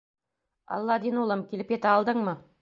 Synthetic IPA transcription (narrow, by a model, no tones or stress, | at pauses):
ɑ̰lˠːɑd̪inulˠɤmkʲilɘpʲjet̪ɘɑlˠd̪ɤɴmɤ